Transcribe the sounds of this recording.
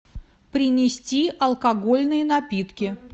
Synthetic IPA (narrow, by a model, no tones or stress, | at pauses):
pɾʲɪnʲɪsʲtʲiʔɐlˠkɐɡo̞lʲnɨjənɐpʲit̪kʲɪ